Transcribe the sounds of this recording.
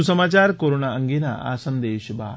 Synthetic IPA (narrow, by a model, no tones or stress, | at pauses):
usəmaːt͡ɕaːɾkoɾonaəŋɡena̰ʔa̰sə̃nd̪eːɕba̰ː